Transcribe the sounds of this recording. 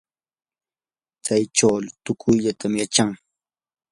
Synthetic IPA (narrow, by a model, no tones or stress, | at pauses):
t͡sajʈ͡ʂawlt̪ʊkʰʊjʎat̪ʰamjat͡ʃaŋ